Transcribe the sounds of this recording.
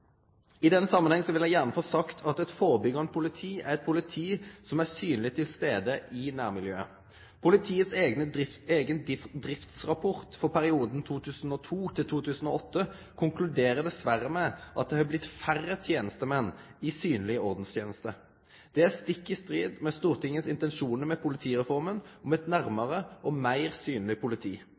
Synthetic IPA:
ɪd̪ɛnːəsɑmːənɛŋsɔʋɪljæɪjæʁnəfoːsɑkt̪ʰɑt̪ɛt̪foːʁəbʏɡɑn̚pʰʊlɪt̪ʰiːʔæ̰ʁɛt̪̚pʰʊlɪt̪ʰiːsɔmæsyːnlɪt̪ʰɪlst̪eːd̪əʔɪnæːʁmɪljøːə | pʰʊlɪt̪ʰiːət̪seːɡnəeːɡənd̪ɪd̪ʁɪft̪sʁɑpʰɔʁt̪fɔʁpʰæɾɪuːd̪nt̪ʰuːt̪ʰʉːsn̩ɔt̪ʰuːt̪ʰɪlt̪ʰuːt̪ʰʉːsn̩oːɔt̪ːə | kʰʊŋklʉd̪eːʁəd̪ɛsʋæʁəmɛʔɑt̪̚d̪ɛhɑblɪt̪færət̪ʰjeːnəst̪əmɛnːɪsyːnlɪəɔʁd̪n̩st̪ʰjeːnəst̪ə | d̪̥ɛæst̪ɪkːɪst̪ʁiːd̪mɛst̪uːʁt̪ʰɪŋːənsɪnt̪ɛnʃuːnəmɛpʰʊlɪt̪ʰiːʁɛfɔʁmənɔmɛt̪næʁməʁəʔɔmæɪʁsyːnlɪpʰʊlɪt̪ʰiː

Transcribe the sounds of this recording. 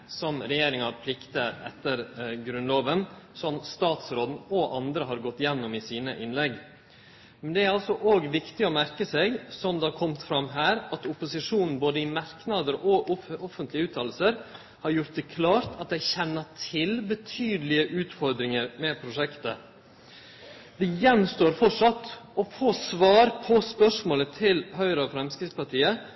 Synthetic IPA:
sɔmɾɛjeːɾɪŋɑɾpʰlɪkt̪əɾɛ̰t̪ːəɾɡɾʉnloːʋənsɔmst̪ɑːt̪sɾoːd̪n̩ɔʔɑnd̪ɾəɦɑɾɡɔt̪ːjɛnːʊmɪsiːnə̰ʔɪnlɛɡ | mɛnd̪ɛæɾɑlsɔʔoːɡʋɪkt̪ɪɔmæɾkəsɛɡsɔmd̪ɛɑɾkʰɔmt̪fɾɑmɦæːɾɑt̪ʊpʊsɪʂuːnn̩boːd̪əɪmɑɾknɑd̪əɾɔɔfənt̪lɪəʉːt̪ʰɑːl̩səɾ | hɑɾjʊɾʈt̪̚d̪ɛkʰlɑːɾt̪ɑt̪̚d̪ɛɪçɛnːəʈʰɪlbət̪ʰyːd̪əlɪəʔʉːt̪fɔɾd̪ɾɪŋəɾmɛpʰɾʊʂɛkt̪ə̰ | d̪ɪjɛnst̪oːɾfɔʂɑt̪ːɔfoːsʋɑːɾpʰɔspœʂmoːlət̪ʰɪlhœʏɾəɔfɾɛmskɾɪspɑʈʰiːə

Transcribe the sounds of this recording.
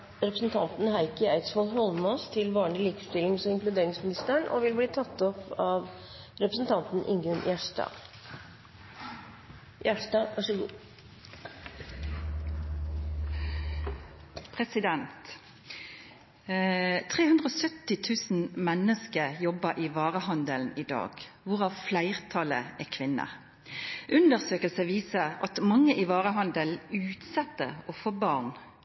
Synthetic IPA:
ɾɛpɾəsn̩t̪ʰɑnt̪n̩hæɪkəæɪt̪sfɔlɦɔlmɔst̪ʰɪlʋɑːɳlɪliːkəst̪ɪlɪŋsɔɪŋklʉd̪eːɾɪŋsmɪnɪst̪əəɳɔ̰ʋɪlbliːt̪ʰɑt̪ːɔpɑːʋ | ɾɛpɾəsn̩t̪ʰɑnt̪n̩ʔɪ̰ŋʉnjæʂʈɑ̰ː | jæʂʈɑːʋæʂɔɡṵː | pʰʁɛsɪd̪ɛntt̪ | t̪ʰʁeːhʉnd̪ʁəoːsœt̪ːɪt̪ʰʉːsn̩mɛnːəskəjɔbəɾʔɪʋɑːʁəhɑnd̪əln̩ɪd̪ɑ̰ːɡ̥ʋʊʁɑːʋflæɪʁt̪ʰɑlə̰ɛkʰʋɪnːə̰ | ʔʉnd̪əʁsøːkəlsəʋiːsəʁɑ̰t̪mɑŋːəʔɪʋɑːʁəɦɑnd̪əlʉːt̪sɛt̪ːə̰ɔfoːbɑʁn

